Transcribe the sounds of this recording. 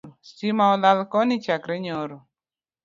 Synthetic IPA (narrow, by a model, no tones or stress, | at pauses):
simaɔlalkɔnit͡ʃakɾeɲɔɾʊ